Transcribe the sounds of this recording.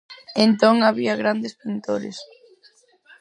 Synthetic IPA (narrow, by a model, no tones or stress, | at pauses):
ent̪oŋaβiɐɣɾand̪espint̪oɾɪ̰s